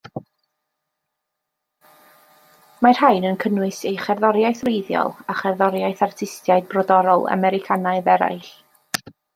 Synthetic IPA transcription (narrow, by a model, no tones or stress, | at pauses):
mar̥haɨnənkʰənwɨsejχɛrðɔɾjajθrejðjɔ̰lˠaχɛrðɔɾjaɨθartʰɪstjaɨd̚brɔdɔɾɔlˠa̰mɛɾɪkʰanaɨðɛɾa̰jɬ